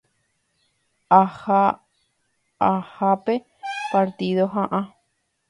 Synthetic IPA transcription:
aha | ahape̞ | paɾt̪iðoɦãʔã

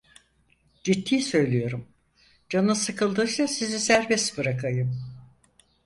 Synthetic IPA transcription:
d͡ʒit̪ʰːiːsø̞jlʲijo̞ɾum | d͡ʒanɯsɯkʰɯlˠd̪ɯːsasizisæɾbɛst̪bɯɾakʰajɯm

